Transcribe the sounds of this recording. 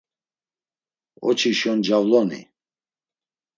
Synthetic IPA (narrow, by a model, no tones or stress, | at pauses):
ɔ̰t͡ʃʰiʃɔnd͡ʒavlɔnḭ